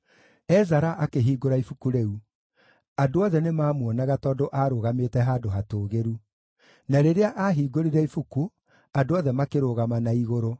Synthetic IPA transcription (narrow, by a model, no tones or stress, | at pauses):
ɛzaɾaʔakeɦiːɡoɾaifukuɾeu | adoɔðɛnemaːmwɔnaɣatɔːdoʔaːɾoɣameːtɛɦadoɦatoːɣeɾu | naɾeɾeaʔaɦiːɡoɾiɾaifuku | adoɔðɛmakeɾoːɣamanaiɣoɾo